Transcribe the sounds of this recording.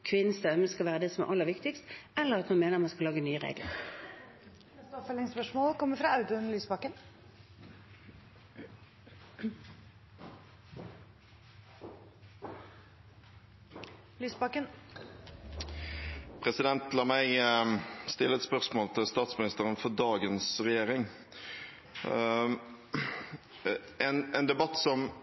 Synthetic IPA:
kʰʋɪnːəsd̪œməskɑʋæːʁəd̪eːsɔmæ̰ʔɑlːəʋɪkt̪ɪkst̪ɛlːəʁɑt̪mɑnmeːnəʁmɑnskɑlɑːɡənyːəʁḛːɡlə̰ʁ | st̪ɔfəlɪŋspœʂmoːlkʰɔmːəfɾɑɑʉt̪ʊnlyːsbɑkːən | lyːsbɑkən | pʰʁɛsɪd̪ɛnt̪lɑːmæɪ | st̪ɪlːəɛt̪spœʁsmoːlt̪ʰɪlst̪ɑːt̪smɪnɪst̪əʁənfɔd̪ɑːɡənsʁɛjeːʁɪŋ | ɛnɛnd̪ɛbɑt̪ːsɔm

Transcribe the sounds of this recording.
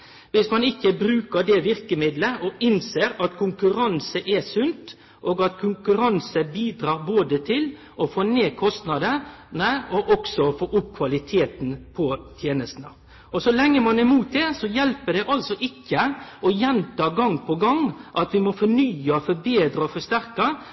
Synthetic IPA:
ʋɪsmɑnɪkːəbɾʉːkəɖɛʋɪɾkəmɪd̪ləʔɔʔɪnseːɾɑt̪kʰʊŋkʉɾɑnsəʔɛsʉnt̪ | ʔoːɡɑt̪kʰʊŋkʉɾɑnsəbiːd̪ɾɑːɾboːd̪ət̪ʰɪl | ʔɔfoːneːkʰɔst̪nɑd̪ənəɔʔɔksɔfoːʔʊp̚kʰʋɑlɪt̪ʰeːt̪n̩pʰɔt̪ʰjeːnəst̪nə̰ | ɔsɔlɛŋːəmɑnɛmuːt̪̚d̪ɛsɔjɛlpəɖɛʔɑlsɔʔɪkʰːəɔjɛnt̪ɑːɡɑŋpʰɔɡɑŋʔɑt̪ʋɪmɔfɔɳyːɑfɔbeːd̪ɾəɔfɔʂt̪æɾkɑ

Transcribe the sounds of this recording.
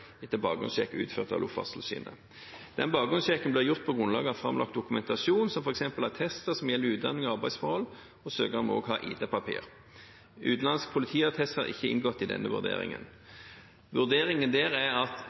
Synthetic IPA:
ɛt̪ːəbɑ̰ːɡʊ̰nsɕɛkːʉ̰ːt̪føːʁt̪ɑ̰ʋlʊfɑ̰st̪lsḭːnə̰ | d̪̥ɛnbɑːɡʊnsɕɛkənblɪːʁjʊʁt̪̚pʰɔɡʁʊnlɑ̰ːɡəhɑfʁɑ̰mlɑ̰kt̪̚d̪ʊkʉmɛnt̪ɑsuːnsɔmfɔʁɛksɛmpəlhæʁt̪ʰɛst̪əʁsɔmjɛlːəʉːt̪̚d̪ɑ̰nːɪŋɔɑʁbæɪsfɔʁhɔlː | ɔsøːɡəʁɔmo̰ːɡɦɑ̰ːʔḭːt̪ʰepɑpʰḭːʁ | ʉ̰ːt̪n̩lɑnsk̚pʰʊlɪt̪ʰiːɑt̪ʰɛst̪hɑ̰ʁɪ̰çːəɪ̰nɡɔt̪ːɪd̪ɛ̰nːəʋʉ̰ʁd̪ḛːʁɪ̰ŋə̰n | ʋʉʁd̪eːʁɪŋənd̪eːʁæɑt̪

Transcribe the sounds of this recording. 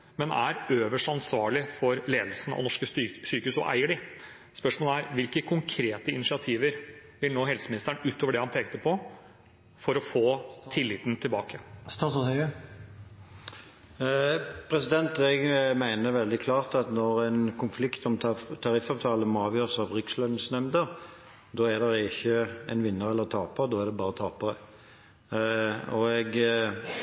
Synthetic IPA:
mɛnæ̰ɾøːʋəʂɑnsʋɑːɭɪfɔɾleːd̪lsn̩ɑ̰ʋnɔʂkəsyːkəhʉsɔ̰ʔæ̰ɪəɖɪ | spœʂmoːləæɾʋɪlkəkʰʊŋkʰɾeːt̪əɪnɪʂɪɑt̪ʰiːʋəɾʋɪlnoːɦɛlsəmɪnɪst̪ɾəɳʉːt̪oːʋəɖɛhɑnpʰeːɡt̪əpʰɔ | fɔɾɔfoːtʰɪlːɪt̪nt̪ʰɪlbɑ̰ːkə | pʰʁɛsɪd̪ɛnt̪ɛɡmæɪnəʋɛld̪ɪkʰlɑːʁt̪ɑt̪nɔʁɛɪnkʰʊnflɪkt̪ɔmʰt̪ʰɑʁɪfːɑʋt̪ʰɑːləmɔɑːʋjøːʁsɑʋʁʏkslœnsnɛmd̪əʁ | d̪oːæd̪ɛɾɪçəɛnʋɪnːəʁɛlːəʁt̪ʰɑːpəʁd̪ɔːæʁd̪ɛbɑːʁət̪ʰɑːpəʁə | ɔɛɡ

